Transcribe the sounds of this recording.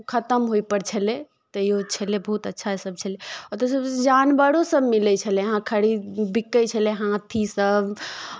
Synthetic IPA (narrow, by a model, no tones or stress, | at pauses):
kʰət̪əmɦojpəɾt͡ʃʰəle | t̪əijot͡ʃʰəlebəɦut̪ətːʃʰasəb̚t͡ʃʰəleɔɾt̪əsəbd͡ʒanbəɽosəbmilɛt͡ʃʰəleɦãkʰəɽibikːəjt͡ʃʰəleɦãt̪ʰisəb